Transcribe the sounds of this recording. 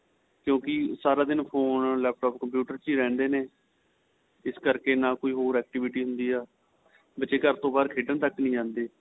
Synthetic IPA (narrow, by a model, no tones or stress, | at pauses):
kjõːkɪsaːɾaːd̪ɪnpʰoːnlɛːp̚ʰʈɔːpkəmpjuːʈəɾt͡ʃiːɾɛ̃ːnd̪eːneː | ɪskəɾkeːnãːkoːiːɦoːɾɛːk̚ʈɪʋɪʈiːɦʊnd̪iːɛː | bət͡ʃeːkəɾt̪õːbaːd̪kʰeːɖənt̪əkːnĩːd͡ʒãːnd̪eː